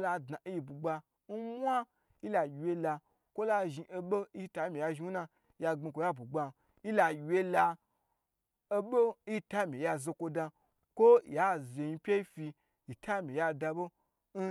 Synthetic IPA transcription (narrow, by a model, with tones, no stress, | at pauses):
la˧dna˨˦ji˧bu˨ɡ͡ba˧ | n̩˦mʷ˦a˦ | i˦la˨we˧la˧ | kʷo˦la˧ʒi˧ʔe˧ɓo˦ta˧˦mi˨ja˧ʒi˧u˦na˧ | ja˧ɡ͡be˧kʷo˧ja˦bu˨ɡ͡ba˧ | i˦la˧jʲwe˧la˧ | e˧bo˦ta˦mĩ˨ja˧ze˧kʷo˧da˧ | kʷo˦ja˦ze˨ɲi˧pʲe˦i˦fi˧ | i˨tʰa˦mi˨ja˧da˧bo˦ | n̩˦